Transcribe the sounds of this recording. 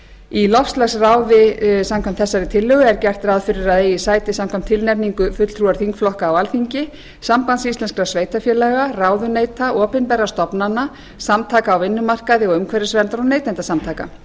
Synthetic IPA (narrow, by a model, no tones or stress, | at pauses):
ilɔfst̪laxsraːwðɪsamkʰœm̥t̪θɛsːaɾɪt̪ʰɪlːʏɣʏɛɾcɛr̥t̪ɾaðfɪɾɪɾaðeːjɪsaːjt̪ɪsamkʰɔm̥t̪ʰːɪlnɛpniŋkʏfʏt̪l̥t̪ʰɾuaɾ̥θiŋkflɔhkaːwalθiɲcɪ | sampant̪sist̪lɛnskɾasveːjt̪afjɛlɛɣaraːwðʏneːjt̪aʔɔːpɪnpɛrːast̪ɔpnanːa | samt̪ʰaːkaːwvɪnːʏmar̥kaðɪɔʏmkʰvɛɾɪsvɛnt̪aɾɔneːjt̪ɛnt̪asamt̪ʰaːka̰